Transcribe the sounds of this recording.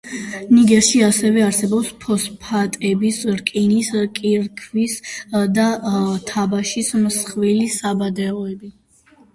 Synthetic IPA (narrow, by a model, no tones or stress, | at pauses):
niɡɛʃiasɛvɛaɾsɛbɔpspʰɔspʰat̪ʼɛbisɾkʼiniskʼiɾkʰvisd̪at̪ʰabaʃismsχvilisabad̪ɛɔɛbi